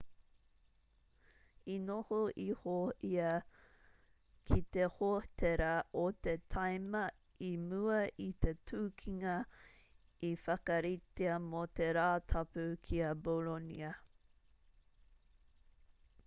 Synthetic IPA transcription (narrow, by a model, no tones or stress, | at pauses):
inohoʔihoʔiɐ | kʰit̪ehotʰeɾɐʔot̪et̪ʰɐjmɐ | imʉɐʔit̪e̞tʰuːkʰiŋɐ | ifɐkɐɾit̪eɐmot̪e̞ɾaːt̪ʰɐpʉkʰiɐbolonḭɐ